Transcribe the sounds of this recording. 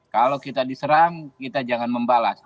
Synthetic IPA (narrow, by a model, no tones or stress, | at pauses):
kalawkit̪adisəɾaŋkit̪ad͡ʒaŋanməmbalas